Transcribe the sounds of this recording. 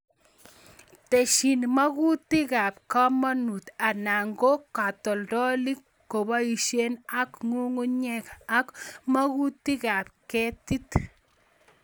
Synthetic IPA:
te˨ʃi˨nma˦ku˦ti˦ka˨p̚ka˦ma˦nu˨t̪a˨na˨ŋɡo˦ka˨tɔ˨ldɔ˦li˦kːo˨ba˦i˨ʃe˦na˦kŋu˦ŋu˦ɲɛ˦ka˦kma˦ku˦t̪i˦ka˨p̚kɛ˦ti˦t

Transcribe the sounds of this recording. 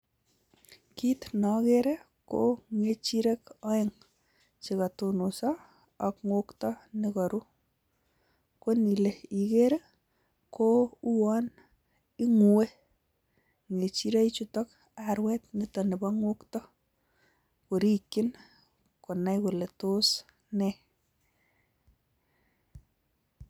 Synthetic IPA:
ki˦tnɔ˨keɾe˦ | ko̰ŋet͡ʃi˦ɾe˦kɔ˦eŋ | t͡ʃi˨ka˨tu˧nu˨sɔː˨ | kŋwo˦ktɔ˦nikɔ˨ɾu˦ | ko˦ni˨le˨i˨keɾe˦ | kou˦wɔ˦n | i˦ŋu˨we˦ | ŋe˨t͡ʃi˦ɾe˦i˦t͡ʃu˦tɔ˦k | aɾwɛ˦tnitɔ˨ne˨bɔŋwo˦ktɔ˦ | ku˨ɾi˦kɪ˦n | kʊ˨na˦jku˨le˨to˦s | nɛ˦

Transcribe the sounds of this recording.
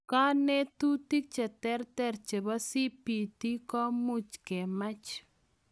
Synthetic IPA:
ka˦nɛ˦t̪u˦ti˦k̚t͡ʃɛ˨tɛ˦ɾtɛ˦ɾt͡ʃe˨ba˦si˦pi˨ti˦kɔ˦mu˦t͡ʃkɛ˨ma˦t͡ʃ

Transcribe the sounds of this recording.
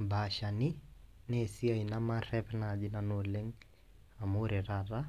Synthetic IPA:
baʃanɪ˦ne˨si˦a˨inamaɾɛpnad͡ʒɪ˦nano˨le˦ŋ | a˨moɾe˨ɾaɾa˦

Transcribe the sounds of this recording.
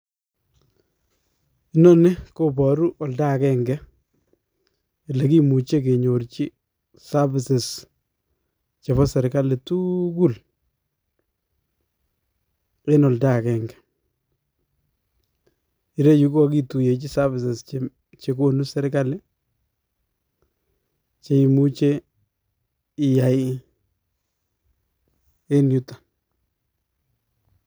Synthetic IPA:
i˦nɔ˦nɪ˦ko˦pɔ˨ɾu˦ʔɔ˨lda˦kɛ˦ŋɡɛ˦ | ɪ˨le˨ki˦mu˨t͡ʃe˦k̬e˨ɲo˨ɾt͡ʃi˦ | sa˦bɪ˨sɪ˨s | t͡ʃe˨βɔ˦sɛ˨ɾka˦lɪ˨tu˦ku˦l | e˦nɔ˨lda˦˨kɛ˨ŋɡɛ̥˨ | i˨ɾe˦ju˦ko˦a˦k̬i˦tu˨je˨˦t͡ʃi˦sa˦vɪ˨sɛ˨st͡ʃe˨ | t͡ʃe˨k̬o˦nu˦sɛ˦ɾka˦le˦ | t͡ʃe˨i˨mu˦t͡ʃe˦ | ɪ˨ja˨ɪ˦ | e˦nju˦tḁ˨

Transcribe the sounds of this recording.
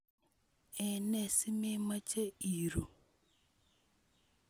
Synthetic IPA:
ɛ˨nɛ˦˨si˦me˦ma˦t͡ʃe˦i˨ɾo˨

